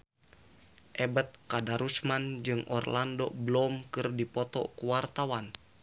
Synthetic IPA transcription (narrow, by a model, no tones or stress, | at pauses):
ʔɛbət̪̚kadaɾusmand͡ʒɨŋɔ̰rlandobəlɔmkɨrdipɔt̪ɔ̰kuwart̪awan